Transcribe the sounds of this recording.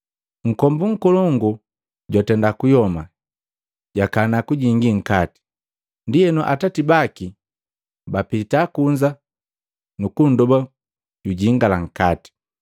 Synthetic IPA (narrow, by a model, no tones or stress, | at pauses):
ŋ̩kɔmbuŋ̩kɔlɔŋɡu | ɟwatɛndakujɔma̰ | ɟakanakuɟiŋɡiŋ̩kati̥ | ndijɛnɔʔatatibaki | bapitakuɲd͡ʒa | nukun̩dɔba | ɟuɟiŋɡalaŋ̩kati̥